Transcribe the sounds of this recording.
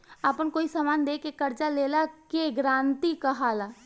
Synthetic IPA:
əpənkoːisamaːnd̪eːkekəɾt͡ʃaleːlakeɡɾãːnt̪ikəɦaːla

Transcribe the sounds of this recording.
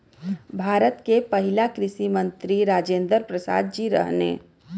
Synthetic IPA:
bʱaːɾət̪kepəɦilakɾɪsimə̃nt̪ɾiɾaːd͡ʒẽːnd̪əɾpɾəsa̰ːd̪̚d͡ʒiɾə̰ɦnḛ

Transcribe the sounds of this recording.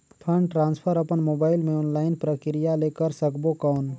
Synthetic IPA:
pʰə̃ɳɖʈɾãːnspʰəɾəpənmoːbaːɪlmẽʊnlaːɪnpɾəkɾɪjaleːkəɾsəkbokaʊn

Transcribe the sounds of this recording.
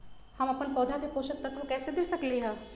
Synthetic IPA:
həməpənpɔːd̪ʱad̪epoːʃək̚t̪ət̪ʋũkɛːsed̪eːsəkliɦãː

